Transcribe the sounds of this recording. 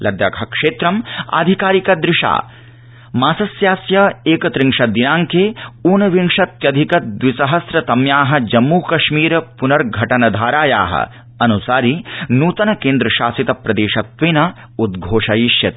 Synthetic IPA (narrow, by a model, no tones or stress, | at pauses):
lɐd̪jɐ̰kʰɐkʂeːt̪ɾɐma̰ːd̪ʱikaːɾikɐd̪ɾɪʂa̰ː | maːsɐsjaːsjɐeːkɐt̪ɾiŋʂɐd̪inaːŋkeːuːnɐʋiŋʂɐt̪jɐd̪ʱikɐd̪ʋisɐɦɐsɾɐt̪ɐmjaːɦɐ̆d͡ʒɐmːuːkɐʃmiːɾpunɐɾɡʱɐʈɐnɐd̪ʱaːɾaːja̰ːɦɐ̰ | ɐnusaːɾinuːt̪ɐnɐkeːnd̪ɾɐʃaːsit̪ɐpɾɐd̪eːʃɐt̪ʋeːnɐ | ud̪ɡʱoːʂɐjiʃjɐt̪